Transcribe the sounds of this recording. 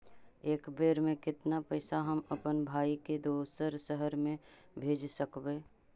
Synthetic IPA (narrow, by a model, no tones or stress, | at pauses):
eːkbeːɾmẽkɪt̪napɛːsaɦəməpənbʱaːiked̪oːsəɾsəɦəɾmẽ | bʱeːd͡ʒsəkbeː